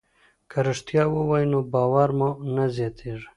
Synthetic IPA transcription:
kʰəɾəʂt̪jɑwəwajnobɑːwaɾmonazjɑt̪ʰeʐ

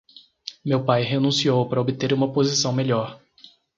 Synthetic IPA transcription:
mewpajɦenũsiowpaɾɐobit̪eɾũmɐpozisɐ̃w̃meʎɔɾ

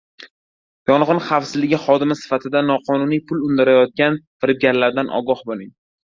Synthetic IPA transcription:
jɒnʁɨnχafsɪzlɪɡʲɪχɒd̪ɪmɪsɪ̥fat̪ʰɪd̪anɒqʰɒnʊnijpʰʊlʊnd̪aɾajɒt̪̚kʲanfɪɾɪb̚ɡʲaɾlaɾd̪anʔɒ̰ɡɒhbolɪŋ

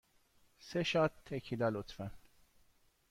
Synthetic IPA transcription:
seʃatt̪ʰːekʰilælot̪fæn

